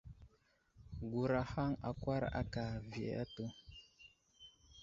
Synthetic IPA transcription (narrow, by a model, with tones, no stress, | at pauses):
ɡu˨ɾa˨ha˦ŋa˨kwa˦ɾa̰˦ka˨vi˨a˨a̰˦to˦